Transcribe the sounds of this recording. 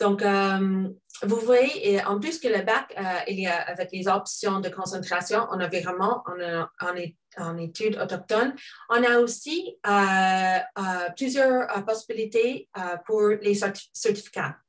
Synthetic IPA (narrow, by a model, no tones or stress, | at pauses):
d̪̥ɔ̃kəm | vuvwajeʔeʔɑ̰̃plyskələbakəiliaavɛklezɔpsjɔ̃d̪əkɔ̃sɑ̃t̪χasjɔ̃ʔɔ̰̃navɛʁɛmɑ̃ɑ̃nɑ̃ne | ɑ̃net̪ʰyd̪o̰t̪ɔk̚t̪ɔnɔ̃naosiə | əplyzjœʁpɔsibilit̪eəpʰuʁlesɛtsɛʁt̪i̥fi̥ka̰